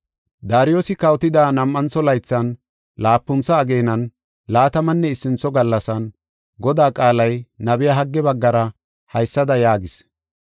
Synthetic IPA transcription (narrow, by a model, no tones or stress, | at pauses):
d̪aːɾɪjoːsɪkɐwt̪ɪd̪aːnɐmʔːɐnt͡sːɔlɐjt͡sːɐn | laːpːʊnt͡sːɐːɡe̞ːnɐn | laːt̪ɐmɐnːɛɪsːɪnt͡sːɔɡɐlːɐsɐn | ɡɔd̪aːkʼaːlɐjnɐbɛjɐɦɐɡːɛbɐɡːɐɾɐ | hɐjsːɐd̪ɐjaːɡɪs